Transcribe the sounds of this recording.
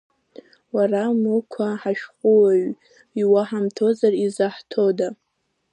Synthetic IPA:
waramukʷʰaħaʃᶣχʷʼuwaɥ | iwaħamtʰo̞zarizaħtʰo̞da

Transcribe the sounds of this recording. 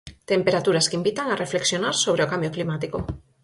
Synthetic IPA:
t̪empeɾat̪uɾaskimbit̪aŋarefleksjonaɾsoβ̞ɾeokambjoklimat̪iko

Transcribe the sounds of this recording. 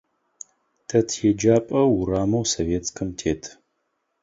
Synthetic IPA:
tʰɐtʰjɛd͡ʒaːpʼɐwuɾaːmɐwsoveːtkʰɨmtʰeːtʰ

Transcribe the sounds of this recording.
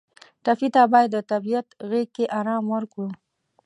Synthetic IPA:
ʈafit̪abɑjad̪ːət̪abijat̪ɣekːeʔaɾɑmwəɾkɽu

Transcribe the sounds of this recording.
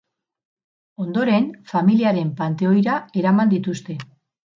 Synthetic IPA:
o̞nd̪o̞ɾe̞nfamiliaɾe̞mpant̪e̞o̞jɾae̞ɾamand̪it̪ust̪e̞

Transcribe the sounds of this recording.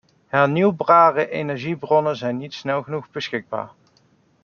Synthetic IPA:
hɛɹniwbraːrəʔejnɛɹʒibrɔnəzɛjnːitsnɛlˠχənuχbəsxɪɡ̚ba̰ːɹ

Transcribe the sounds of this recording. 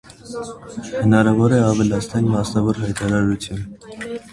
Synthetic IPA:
hənɑɾɑvɔɾɛɑvəlɑst̪ʰɑnmɑsnɑvɔɾɦɑjt̪ʰɑɾɑɾut̪ʰjun

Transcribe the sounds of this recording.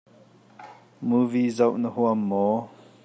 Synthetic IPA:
muvizɐwʔnəhuɐmːɔ

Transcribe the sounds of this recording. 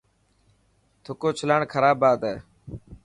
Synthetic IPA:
t̪ʰʊkoːt͡ʃʰʊlaːɳkʰəɾaːbaːd̪ɛː

